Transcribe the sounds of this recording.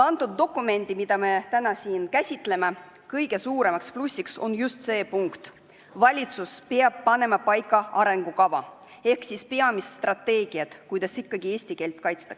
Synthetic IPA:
ɑnt̪ud̪̚ːo̞kˑume̞nd̪̥imid̪̥ɑme̞t̪ænɑsiːnkæsʲit̪ˑle̞me | kɤjɡ̥e̞suːɾe̞mɑksplusʲːikso̞̰njust̪se̞ːpuŋkt̪ | vɑlʲit̪suspeɑb̥̚pɑne̞mɑpɑjkːˑɑɑɾe̞ŋɡ̥ukɑvɑ̰ | e̞hksispe̞ɑmisst̪rɑt̪ːe̞ːɡ̥iɑt̪kujd̪̥ɑsikːɑɡ̥ie̞ːsʲt̪ike̞ːlt̪ˑkɑjt̪st̪ɑ̥ks

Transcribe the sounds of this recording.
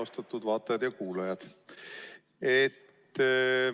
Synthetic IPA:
ost̪ɑt̪ːˑud̪vɑːt̪ːˑɑjɑd̪̥jɑkuːlɑjɑd̪̥ | et̪ː

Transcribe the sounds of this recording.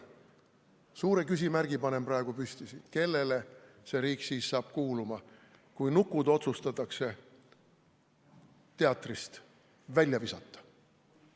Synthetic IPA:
suːɾe̞kysʲimærɡ̥ipɑne̞mprɑe̞ɡ̥upysʲt̪isi̥ke̞lːe̞le̞se̞ɾiːksiːsːɑːb̥̚kuːlumɑ | kujnukːˑud̪o̞t̪sust̪ɑt̪ːˑɑkse̞ | t̪e̞ɑt̪ːˑrist̪ | vælʲjɑvisɑt̪ːˑɑ̥

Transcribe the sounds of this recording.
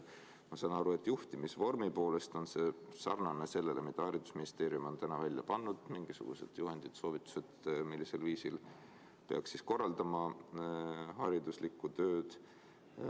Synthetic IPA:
mɑsɑnɑɾue̞t̪ːˑjuht̪imisvo̞rmipo̞ːle̞st̪o̞nse̞sɑ̰rnɑnese̞lːe̞le̞mid̪̥ɑɑɾid̪̥usminist̪e̞ːɾiumo̞nt̪ænɑvælʲjɑ̰pɑnːud̪̥miŋɡ̥isṵɡ̥ṵse̞̰d̪̥juɦe̞nd̪̥it̪so̞ːvit̪ːˑu̥se̞d̪milːise̞lviːsil | peɑksːisko̞rːɑld̪ɑmɑ | ɦɑɾid̪uslikːˑut̪ø̞ːd̪̥

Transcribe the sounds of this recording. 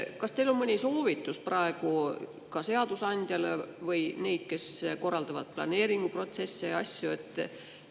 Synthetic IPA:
kɑst̪e̞jlo̞nmɤnʲiso̞ːvit̪ːˑusprɑe̞ɡ̥u | kɑse̞ɑd̪̥usɑnʲd̪̥ʲjɑlevɤjne̞jd̪̥̚ke̞sko̞rːɑld̪ɑvɑd̪̥̚plɑ̰ne̞ːɾiŋɡ̥upro̞t̪se̞sːejɑsʲjue̞t̪ːˑ

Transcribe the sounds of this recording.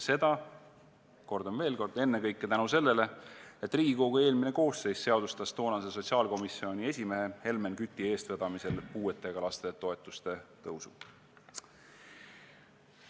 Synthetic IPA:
se̞d̪ɑ | ko̞rd̪o̞mve̞ːlko̞rd̪̥e̞nːekɤjkːet̪ænuse̞lːe̞le̞e̞t̪ːˑriːɡ̥iko̞ɡ̥ueːlmine̞ko̞ːsːe̞jsse̞ɑd̪ust̪ɑst̪o̞ːnɑse̞so̞t̪ʲsiɑːlko̞misːio̞nʲie̞sʲime̞ɦe̞he̞lme̞nkyt̪ːˑie̞ːst̪ved̪ɑmise̞lpuːe̞t̪ːˑe̞ɡ̥ɑlɑst̪e̞t̪o̞e̞t̪ːˑust̪e̞t̪ɤwsṵ

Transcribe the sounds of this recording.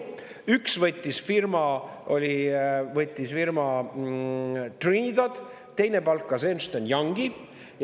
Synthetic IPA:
yksvɤt̪ʲːˑisfirmɑ | o̞lʲivɤt̪ʲˑːisfirmɑ | t̪rind̪ɑd̪̥ | t̪e̞jne̞pɑlkːˑɑseːnst̪enjɑŋɡ̥i | j

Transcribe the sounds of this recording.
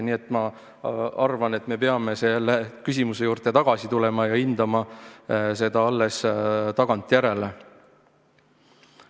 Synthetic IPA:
nie̞t̪ːˑmɑ | ɑrvɑnet̪ːˑme̞peɑme̞se̞lːekysimuse̞juːrt̪et̪ɑɡ̥ɑsit̪ulemɑjɑind̪̥ɑmɑ | se̞d̪̥ɑɑlːest̪ɑɡ̥ɑnt̪ːˑjæɾe̞le

